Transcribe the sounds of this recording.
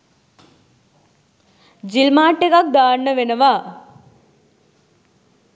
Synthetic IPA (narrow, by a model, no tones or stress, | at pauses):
d͡ʒilmaːʈːekak̚d̪aːɳːəʋenəʋa